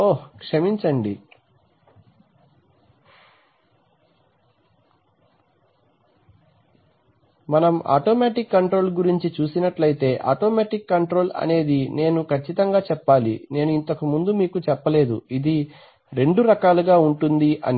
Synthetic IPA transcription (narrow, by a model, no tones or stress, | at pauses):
oːkʂɐmiɲt͡ʃɐɳɖi | mɐnɐma̰ːʈoːmaːʈikːɐɳʈɾo̞ːlɡuɾiɲt͡ʃit͡ʃuːsinɐʈlɐjt̪e̞ːʔa̰ːʈoːmaːʈikːɐɳʈɾo̞ːlɐ̰ne̞ːd̪ine̞ːnukʰɐt͡ʃːit̪ɐŋɡaːt͡ʃɛpːaːlḭne̞ːnuint̪ɐkumund̪umiːkut͡ʃɛpːɐle̞ːd̪ṵid̪i | ɾe̞ɳɖuɾɐkaːluɡaːuɳʈund̪iʔɐ̰n